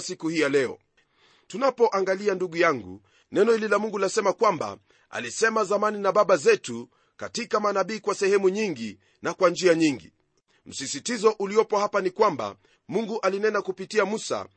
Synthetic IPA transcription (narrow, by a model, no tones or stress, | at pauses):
sikuhijalɛɔ̰ | tunapɔʔaŋɡalianduɠujaŋɡṵ | nɛnɔhililamuŋɡulasɛmakwamba̰ | a̰lisɛmazamaninaɓaɓazɛtu | katikamanaɓiːkwasɛhɛmuɲiŋɡi | nakwand͡ʒiaɲiŋɡḭ | m̩sisitizɔʔuliɔpɔhapanikwamba̰ | muŋɡuʔalinɛnakupitiamusa̰